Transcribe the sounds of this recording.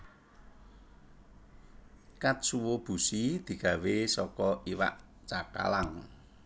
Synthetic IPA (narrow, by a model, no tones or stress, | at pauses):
kat̪̚suwob̥ṳsid̪̥i̤ɡ̥ä̤wesɔkɔiwa̰ʔ | t͡ʃaka̰laŋ